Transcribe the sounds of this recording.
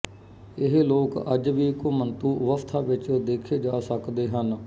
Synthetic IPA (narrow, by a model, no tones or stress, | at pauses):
ɪɦloːkə̰d͡ʒʋiːkʊmənt̪uːʋəft̪ʰaːʋɪt͡ʃd̪eːkʰeːd͡ʒaːsəkd̪eːɦən